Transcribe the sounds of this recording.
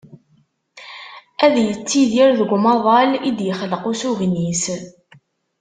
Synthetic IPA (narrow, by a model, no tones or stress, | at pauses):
æðjət͡sːiðiɾðəɡʷmɑðˤɑlid̪jəχələqusuʝnis